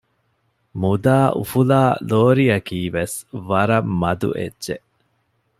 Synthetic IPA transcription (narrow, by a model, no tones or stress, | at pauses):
mud̪aːʔṵfulaːloːɾiɐkiːʋesʋɐɾɐmːɐd̪ṵʔḛdːʒe